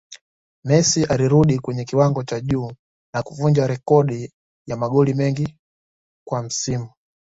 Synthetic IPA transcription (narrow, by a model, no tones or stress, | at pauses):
mɛsiʔaliɾuɗikwɛɲɛkiwaŋɡɔt͡ʃaʄuː | nakuvuɲd͡ʒaɾɛkɔɗi | jamaɠɔlimɛŋɡi | kwam̩simu